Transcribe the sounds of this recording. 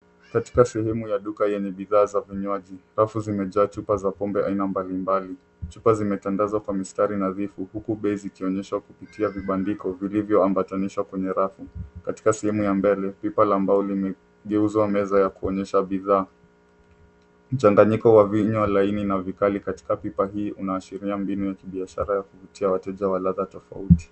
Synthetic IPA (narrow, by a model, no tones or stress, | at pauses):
kati̥kasɛhɛmujaɗukajɛɲɛɓiðaːzaviɲwaʄiɾafuzimɛʄaːt͡ʃupazapɔmbɛʔainambalimbali | t͡ʃupazimɛtaŋɡazwakwamistaɾinaðifuhukuɓɛizikiɔɲɛʃwakupitiaviɓandikɔvilivjɔambataniʃwakwɛɲɛɾafukati̥kasɛhɛmujambɛlɛpipalambaulimɛ | ɠɛuzwamɛzajakuɔɲɛʃaɓiðaː | m̩t͡ʃaŋɡaɲikɔwaviɲwalaininavikalikati̥kapipaɦiːʔunaːʃiɾiambinujakiɓiaʃa̰ɾajakuvutʰiawatɛʄawalaðatɔfa̰uti̥